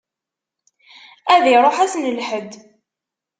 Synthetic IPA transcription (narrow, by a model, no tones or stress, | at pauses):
æðiɾˤoħæsnlħəd̪